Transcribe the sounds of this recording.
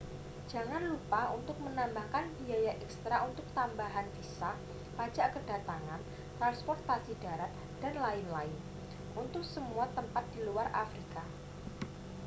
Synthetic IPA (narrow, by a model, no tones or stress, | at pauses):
d͡ʒ̥a̤ŋanlupaunt̪ʊk̚mənambahkanbiajaʔɛkst̪ɾaʔunt̪ʊk̚t̪ambaɦanfisa | pḁd͡ʒaʔkəd̥a̤t̪aŋan | t̪ɾanspɔrt̪asidaɾat̪̚ | d̥anlaɪnlaɪn | ʔunt̪ʊk̚səmuat̪əmpat̪̚d̥iluarʔa̰fɾika